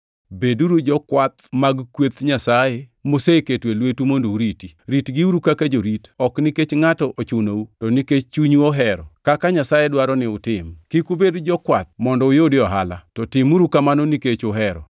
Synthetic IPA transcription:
beduɾud͡ʒɔkwat̪̚maɡkwet̪ɲasajemoseketwelwetumondouɾitiɾitɡiuɾukakad͡ʒoɾitɔkniket͡ʃŋatɔʔot͡ʃʊnoutɔniket͡ʃt͡ʃuɲuoɦɛɾɔ̰kakaɲasajedwaɾɔnɪʊtɪmkikubedd͡ʒɔkwat̪̚mɔndɔʊjodɪɔɦa̰la̰tɔtɪmuɾukamanoniket͡ʃʊɦɛɾɔ̰

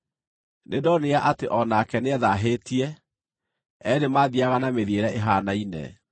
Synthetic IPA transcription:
nedɔneaʔateʔɔnaːkɛneɛðaɦetiɛ | ɛɾemaðiaɣanameðieɾɛʔeɦaːnainɛ̰

